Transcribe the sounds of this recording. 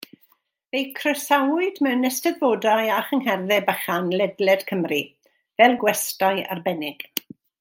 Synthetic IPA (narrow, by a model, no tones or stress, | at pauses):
vejkʰrəsawʊɨdmɛwnɛstɛðvoːdajaχəŋhɛrðɛbəχanlɛdlɛd̥kʰəmri | vɛlˠɡwɛstaja̰rbɛnɪɡ̥